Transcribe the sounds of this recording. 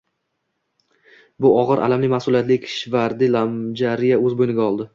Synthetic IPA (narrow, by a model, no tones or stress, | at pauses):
bʊɒʁɨɾʔa̰lamlɪmahsʊlˠijat̪lɪkʲʰʃvaɾd̪ɪlamd͡ʒaɾɪjaɵzbojnɪɡʲaɒlˠd̪ɪ